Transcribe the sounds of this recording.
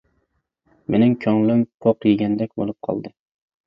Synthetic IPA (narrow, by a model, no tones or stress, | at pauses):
menɪŋkʲʰɒŋlˠɪmqʰoqjɪɡʲand̪akʲbo̰lˠɪp̚qʰɒ̰lˠd̪ɪ